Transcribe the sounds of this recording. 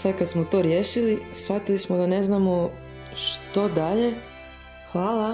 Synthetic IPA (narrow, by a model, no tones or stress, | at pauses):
sad̪̚kad̪smot̪o̞ɾje̞ːʃilisfat̪ilismod̪ane̞znamo | ʃt̪o̞d̪aʎe̞ | xʋaːla